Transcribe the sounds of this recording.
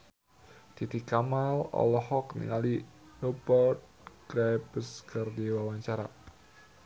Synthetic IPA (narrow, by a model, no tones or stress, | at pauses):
d̪̥it̪ikamalɔ̰lɔhɔknḭŋali | rɔbərt̪̚ɡ̥ɾajbəskərdiwawaɲt͡ʃaɾa